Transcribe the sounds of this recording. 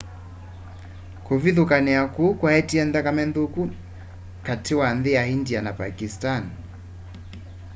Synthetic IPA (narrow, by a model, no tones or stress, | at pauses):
kuviðukanɛakukwahɛtiɛnðakamɛnduku | katʰiwanðiahindianapakistan